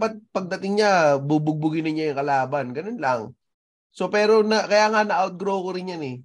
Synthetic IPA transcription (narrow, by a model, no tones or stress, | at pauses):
pɐt̪̚pɐɡ̚d̪ɐt̪ɪŋɲabʊbʊɡ̚bʊɡɪnɪɲajʊŋkɐlaːbɐnɡɐnonlɐŋ | so̞pɛːɾo̞nɐkɐjaːŋanɐʔawt̪̚ɡɾokoɾɪnjanɛ